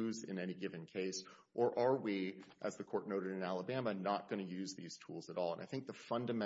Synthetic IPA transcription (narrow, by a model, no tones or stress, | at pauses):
ʉzɪ̰̃nɛniɡɪvɨ̃nkʰeɪs | ʔə˞ʔə˞wiʔɨzðɨkʰɔɹtⁿnoʊɾɨɾɨ̃nælˠəbæmənət̚ɡ̥ʌñɨjʉzðiz̥tʰulˠzəɾɔlˠə̰̃nʔaɪθɪ̃ŋk̚ðəfʌ̃ndɨmɛ̃